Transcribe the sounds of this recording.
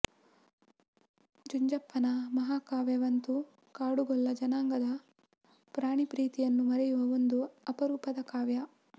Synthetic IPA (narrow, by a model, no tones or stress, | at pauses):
d͡ʒuɲd͡ʒɐpːɐnɐmɐɦaːkaːʋjɐʋɐnt̪u | kaːɽuɡɔlːɐd͡ʒɐnaːŋɡɐd̪ɐ | pɾaːɳipɾiːt̪ijɐnːumɐɾɛjuʋɐond̪uɐpɐɾuːpɐd̪ɐkaːʋjɐ